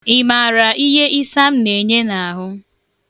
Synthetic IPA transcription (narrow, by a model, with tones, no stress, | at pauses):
ɪ˨ma˨ɾa˨i˦ɦe˦ʔi˦sa˦m̩˦ne˨ɲe˦na˨a˨ɦʊ˦